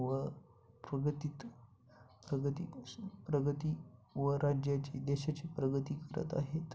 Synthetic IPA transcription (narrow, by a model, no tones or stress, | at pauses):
ʋə | pɾəɡət̪it̪ | pɾəɡət̪ipɾəɡət̪iːʋəɾad͡ʑjat͡ɕid̪eɕat͡ɕiːpɾəɡət̪iːkəɾə̰t̪a̰ɦet̪